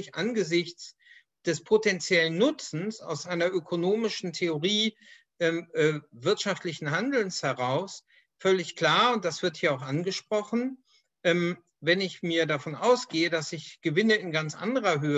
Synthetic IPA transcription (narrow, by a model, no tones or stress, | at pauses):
ɪçʔanɡəzɪçt͡s | d̥ɛspʰotɛnt͡sjɛlənːʊt͡sn̩sa̰ʊsʔaɪnɐʔøkʰonoːmɪʃn̩tʰeoʁiː | ʔɛːmʔɛːvɪɐtʃaftlɪçn̩ɦandl̩nshɛʁ̞aʊs | fœlɪçkl̥aːɐʊnt̚d̥asv̥ɪɐthiːɐaʊxʔanɡəʃpʁ̥ɔχn̩ | ʔɛm | vɛnɪçmiːɐdafɔnaʊsɡ̥eːədasɪçɡ̥əvɪnəɪnɡant͡sʔa̰ndəʁɐɦøːə